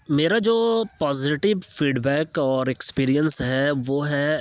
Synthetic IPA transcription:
meːɾad͡ʒoːpɔːzɪʈɪʋfiːɖbɛːkɔːɾekspiːɾijənsɦɛʋoɦɛ

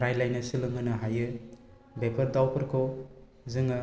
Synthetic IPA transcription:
ɾajlajnɐsɯlɯŋɯnɯɦajɯ | bepʰɐɾdawpʰɯɾkʰo | zɯŋɯ

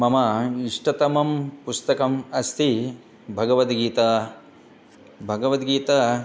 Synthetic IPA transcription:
mɐmɐiʂʈɐt̪ɐmɐmpust̪ɐkɐmɐst̪ʰi | bʱɐɡɐʋɐt̪ɡiːt̪ɐ | bʱɐɡɐʋɐt̪ɡiːt̪ɐ

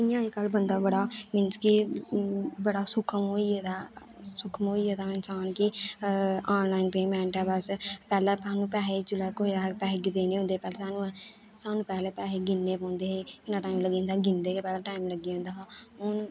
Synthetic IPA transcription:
ɪjãːikəlbənd̪aːbəɽaːmɪnt͡ʃki | bəɽaːsʊkʰmoːieːd̪aː | sʊkʰmoːieːd̪aːɪnsaːnkɪ | aːnlaːinpeːmɛ̃ːɳʈɛ̃ːbəspɛːlɛːpaːnũːpɛːɦeːt͡ʃʊlɛːkoːiːd̪aːpɛːɦeɡɪd̪eːneːʊ̃nd̪eːpɛːleːsaːnũːɛː | saːnũːpɛːleːpɛːeːɡɪnːeːpɔ̃ːnd̪eːɦeːkɪnaːʈaːimləɡĩːnd̪aːɡɪ̃nd̪eːkeːpɛːlãːʈaːimləɡiõnd̪aːɦʊn

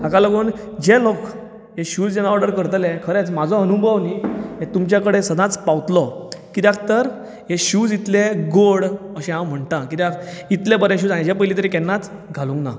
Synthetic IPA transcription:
akaləɡoːn | d͡ʑelok | ɦeɕuːd͡zd͡ʑenaɔɾɖəɾkəɾt̪lẽkʰəɾet͡smad͡zʱɔɦənubʱəʋniɦet̪umt͡ɕjakəɽesəd̪ʱãt͡spawt̪lɔkit̪jak̚t̪əɾ | ɦeɕud͡zit̪leɡoɽəɕẽɦãwm̤əɳt̪ãkit̪akit̪lebəɾɛ̃ɕ̬uːd͡zãjd͡ʑɛpəjlit̪əɾikɛnːat͡sɡʱalũŋkna̰

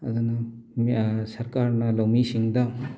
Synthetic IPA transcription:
ɐ̰d̪unɐmsɐɾkaɾnɐlɐwmisiŋd̪ɐ

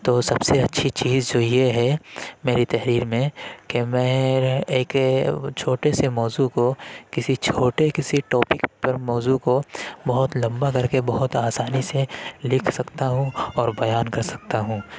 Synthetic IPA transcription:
t̪oːsɐbseɐtːʃʰit͡ʃiːzd͡ʒoːjeɦɛmeːɾit̪ɛɦɾiːɾmẽkemɛ̃ːeːkt͡ʃʰoːʈesemɔːzukokɪsit͡ʃʰoːʈekɪsiʈɔːpɪkpɐɾmɔːzukobɐɦʊt̪lɐ̃mbakɐɾkebɐɦʊt̪aːsaːniselɪkʰsɐkt̪aɦũɔːɾbɐjaːnkɐɾsɐ̥k̚t̪aɦũː

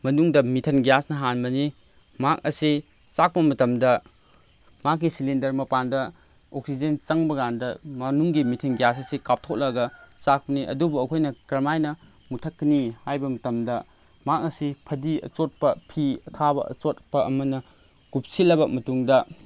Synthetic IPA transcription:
mɐnuŋdɐmitʰɐnɡijasnɐɦanmɐni | mak̚ɐsi | sak̚pɐmɐtɐmdɐ | mak̬ːisilindɐɾmɐpandɐ | ok̚sid͡ʒent͡ʃɐŋbɐɡandɐmɐnuŋɡimitʰɐnɡjasɐsikap̚tʰok̚lɐɡɐsak̚pɐniʔɐ̰dubuɐkʰojnɐkɾɐmajnɐ | mutʰɐkːnihajbɐmɐtɐmdɐ | mak̚ɐsipʰɐdiɐ̰t͡ʃot̚pɐpʰiɐtʰabɐɐ̰t͡ʃotpɐʔɐmɐnɐ | ɡ̥up̚silɐbɐmɐtuŋdɐ

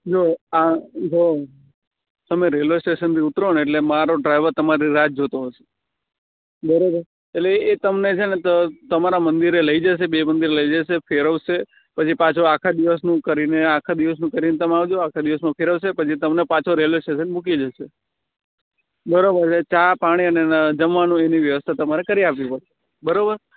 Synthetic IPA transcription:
d͡ʒoad͡ʒo | t̪əmeɾelosʈeʃənt̪iut̪ɾoɳeʈlemaɾoɖɾajʋəɾt̪əmaɾiɾad͡ʒ̚d͡ʒot̪oɦɔʃe̥ | bəɾobəɾ | eʈleːt̪əmnet͡ʃʰenet̪ət̪əmaɾamə̃nd̪iɾeləid͡ʒəʃ̬ebemənd̪iɾləid͡ʒaʃefʰeɾəʋʃe | pət͡ʃʰipãt͡ʃʰoakʰad̪iʋəsnũkəɾineakʰad̪iʋəs̬nũkəɾinet̪əmeaʋd͡ʒoakʰad̪iʋəsnũfʰeɾəʋsepət͡ʃʰit̪əmnepãt͡ʃʰoɾelesʰʈesənmukid͡ʒəʃe | bəɾobəɾt͡ʃʰet͡ʃapaɽ̃iəned͡ʒəmʋanũeniʋjəʋəst̪ʰat̪əmaɾekəɾiapʋĩpəɾʃʰe̥ | bəɾobəɾ

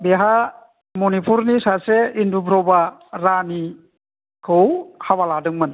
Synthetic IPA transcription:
beɦa | mɔnipʰuɾnisaseindubʰɾɔbaɾani | kʰɯwhaβaladɯŋmɯn

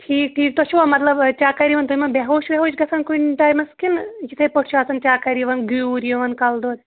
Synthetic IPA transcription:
ʈʰiːk̚ʈʰiːkt̪ot͡ʃʰuʋɐmɐt̪lɐbt͡ʃaːkɐɾiʋɐnt̪uojmɐnbeɦoːʃbʲeɦoːʃɡɐsʰɐnkunʈaːjmɐskinjisʰɐjpoʈʃʰaːsɐnt͡ʃaːkɐɾiʋɐnɡujɾijoʋɐnkɐld̪oːd̪

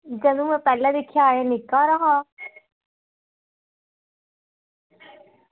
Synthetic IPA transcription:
d͡ʒɐnũmɛ̃pɛːlad̪ɪkʰjaːjanɪkːaɾɐɦã

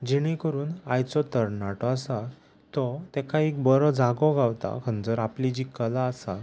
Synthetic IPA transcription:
d͡ʑiɽ̃ikəɾuːnajt͡sɔt̪əɾnaʈɔasa | t̪ɔt̪ɛkʰaik̚bəɾɔd͡zaɡɔɡawt̪a̰kʰənd͡zəɾaplid͡ʑikəlaːsa

